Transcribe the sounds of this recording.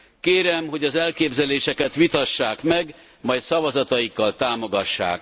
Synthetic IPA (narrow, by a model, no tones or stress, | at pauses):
keːɾɛmɦo̞ɟɒzɛlkeːbzɛleːʃɛkɛt̪ʋit̪ɒʃːaːkmɛɡ | mɒjt̪sɒvɒzɒt̪ɒjikːɒlt̪aːmo̞ɡɒʃːa̰ːk